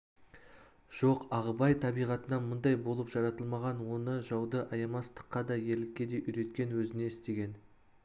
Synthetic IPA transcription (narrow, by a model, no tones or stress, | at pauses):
ʒ̥o̞qɑʁəbɑjt̪ʰɑbijʁɑt̪ənɑmʊnd̪ɑjbo̞lˠəpʒ̥ɑɾɑt̪əlˠmɑʁɑnwo̞nəʒɑwd̪əʔɑjɑmɑst̪ə̥qːɑd̪ɑje̞ɾld̪ɪkʲːe̞d̪e̞ʔʏɾe̞t̪̚kʲe̞nwɵzɪne̞ɪst̪e̞ɡʲe̞n